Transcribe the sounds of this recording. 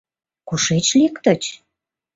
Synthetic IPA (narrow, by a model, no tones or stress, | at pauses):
koʃet͡ɕlikt̪ə̆t͡ɕ